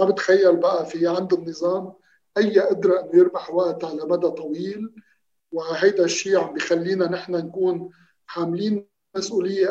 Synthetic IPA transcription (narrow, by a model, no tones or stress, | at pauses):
abɪt̪xajːalbaʔafiʕɪnd̪ɪnːɨzˤɑːm | ʔajːaʔɪd̪ɾˤɑʔɪnːʊjɪɾbaħwaʔt̪ʕalamad̪at̪ˤɑwiːl | wɪɦajd̪aʃːiːʕambixalːiːnanɪħnankuːn | ħaːmliːn | asʔuːlɪjːe